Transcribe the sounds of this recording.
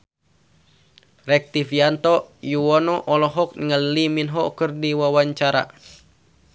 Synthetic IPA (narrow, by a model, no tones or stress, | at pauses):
rɛk̚t̪ifiant̪ɔjuwɔnɔʔɔlɔɦɔk̚ŋəlliminɦɔkərdiwawaɲt͡ʃaɾa̰